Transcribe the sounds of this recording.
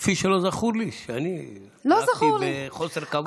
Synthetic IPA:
fiʃelozaχuɾliʃani | lozaχuɾleχoseɾka

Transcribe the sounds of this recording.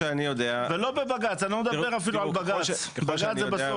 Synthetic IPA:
anijod̪eavelo̞bebaɡat͡sanaxumed̪abeʁafiluʕalbaɡa | baɡat͡szebeso

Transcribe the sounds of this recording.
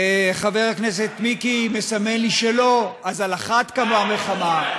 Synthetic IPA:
χave̞ʁhaknes̬e̞t̪mikime̞same̞nliʃelo̞azalaχat̪kamamelχama

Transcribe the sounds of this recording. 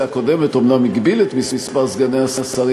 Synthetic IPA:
ako̞d̪emet̪omnamiɡbilet̪mismispaʁzɡaneasasaʁ

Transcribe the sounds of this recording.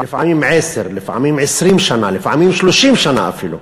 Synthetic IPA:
ɪfʕamiːmʕeːsɪɾlɪfʕamiːmʕɪsɾiːnʃanalɪfʕamiːmʃluʃiːmʃana̰ʔa̰filṵ

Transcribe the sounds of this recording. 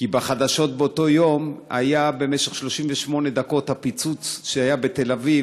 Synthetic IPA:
kibaχad̪aʃo̞t̪̚beoto̞jo̞ma̰jabe̞meʃeχʃlo̞ʃimveʃmo̞ne̞d̪ako̞t̪hapit͡sut͡sʃeajabet̪e̞lavi

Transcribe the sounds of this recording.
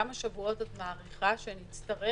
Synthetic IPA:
amaʃavuo̞tatmaːʁiχaʃenit͡st̪ɐʁe

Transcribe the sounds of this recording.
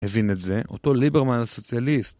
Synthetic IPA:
hevinetze̞ʔo̞̰t̪o̞libeʁmanaso̞t͡sjalist̪

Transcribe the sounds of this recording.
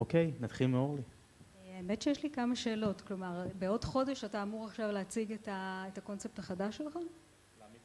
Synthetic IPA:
okejnat̪χilmeoʁli | aemetʃejeʃlikamaʃe̞ːlo̞tklo̞maʁbeo̞dχo̞de̞ʃataːmuʁaχʃavleat͡siɡetaetako̞nt͡sep̚taχadaʃelχa

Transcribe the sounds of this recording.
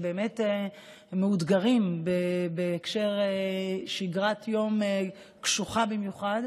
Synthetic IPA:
be̞ːmete | meudɡaʁimbebeːkʃe̞ʁeʃiɡʁat̪jo̞me | kʃuχabimjuχad

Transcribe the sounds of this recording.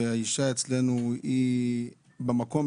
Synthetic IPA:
eaiʃaet͡slenui | bemako̞m

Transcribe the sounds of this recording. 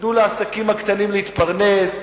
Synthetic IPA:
nuleasakimakt̪animleit̪paʁne̞s

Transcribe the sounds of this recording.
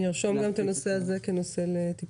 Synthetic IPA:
jiʁʃo̞mɡamt̪ano̞se̞aze̞keno̞se̞let̪ip

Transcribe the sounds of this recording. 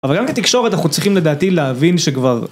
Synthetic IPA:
avalɡamket̪ikʃo̞ʁet̪naχut͡sʁiχimled̪aːt̪ileavinʃekvaʁ

